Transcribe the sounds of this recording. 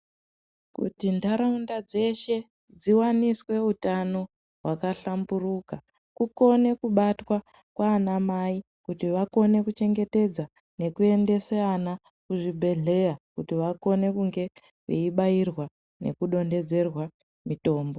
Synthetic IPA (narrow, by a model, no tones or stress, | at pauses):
kṵtindaɾaundad͡ze̞ʃe̞ | d͡ziwaniswe̞utano̞ | ɦwakaɬamburuka | kuko̞ne̞kuɓatwa | kwaːnamai | kutiʋako̞ne̞kut͡ʃe̞ŋɡe̞te̞d͡za | ne̞kue̞nde̞seana | kuʐibʱe̞ɮe̞jakutiʋako̞ne̞kuŋɡe̞ʋḛiɓairwa | ne̞̰kuɗo̞nde̞d͡ze̞rwa | mito̞ːmbo